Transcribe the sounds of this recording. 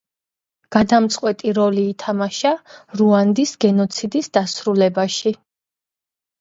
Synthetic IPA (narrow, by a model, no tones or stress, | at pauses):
ɡ̥ad̪amt̪sʼqʼwɛt̪ʼiɾɔliːt̪ʰamaʃaɾuand̪isɡɛnɔt̪sʰid̪isd̪̥asɾulɛbaʃi